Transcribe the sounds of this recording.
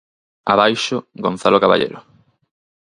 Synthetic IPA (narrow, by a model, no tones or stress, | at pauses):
aβajʃʊɡon̟θalokaβa̰ʎḛɾo